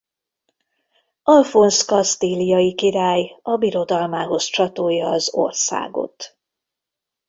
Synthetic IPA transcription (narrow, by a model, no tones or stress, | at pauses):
ɒlfonskɒst̪iːlijɒjikiɾaːjɒbiɾo̞d̪ɒlmaːɦo̞st͡ʃɒt̪oːjːɒːzo̰rsa̰ːɡo̰t̪